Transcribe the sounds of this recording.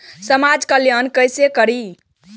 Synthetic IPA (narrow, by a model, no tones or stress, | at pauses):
səmad͡ʒkəljankəjsekəɾi